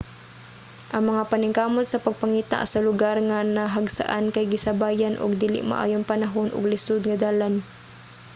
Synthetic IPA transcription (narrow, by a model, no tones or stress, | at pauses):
ʔɐŋmɐŋapanɪŋkaːmot̪sɐpɐɡ̚paŋiːt̪a̰ʔsɐlʊɡaɾŋanaɦaɡsa̰ʔankajɡɪsɐbaːjanʔʊ̰ɡd̪iːlɪ̰ʔma̰ʔa̰ːjʊŋpɐnaɦonʔʊ̰ɡlɪsʊd̪̚ŋɐd̪aːlan